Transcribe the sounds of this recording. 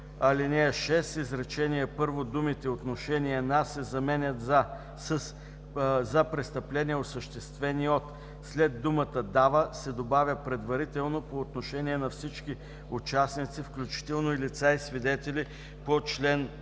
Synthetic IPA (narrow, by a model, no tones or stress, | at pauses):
ɐlinɛəʃɛsizɾɛt͡ʃɛniɛpɤɾvod̪umit̪ɛot̪noʃɛniɛnasɛzɐmɛnʲət̪za | ss | zɐpɾɛst̪ɐplɛniɛosəʃt̪ɛst̪vɛniot̪ | slɛd̪ːumət̪əd̪avəsɛd̪obavʲjəpɾɛd̪vɐɾit̪ɛlˠnopoːt̪noʃɛniɛnɐfsit͡ʃki | ʊt͡ʃasnit̪sifklʲut͡ʃi̥t̪ɛlˠnoilit̪saisvid̪ɛt̪ɛli | pot͡ʃlɛn